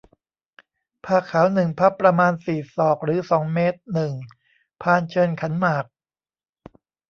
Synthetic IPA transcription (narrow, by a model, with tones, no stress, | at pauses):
pʰaː˧˩kʰaː˩˦wnɯ˨˩ŋpʰa˦˥pːɾa˧maː˧nsiː˨˩sɔː˨˩k̚ɾɯː˩˦sɔː˩˦ŋmeː˦˥t̪̚nɯ˨˩ŋ | pʰaː˧nt͡ɕʰɤː˧nkʰa˩˦nmaː˨˩k̚